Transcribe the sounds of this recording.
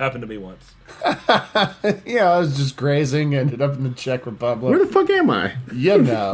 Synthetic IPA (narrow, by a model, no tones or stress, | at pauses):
hæpn̩tʰɨbiwʌ̰̃ns | jæaɪwʌzd͡ʒʌs̬ɡ̥ɹeɪzɪ̃ŋɨ̃n̚hʌpn̩tɨt͡ʃʰɛkɹɨpʰʌbləwə˞ðəfʌkæ̃ma̰ɪjɛnoʊ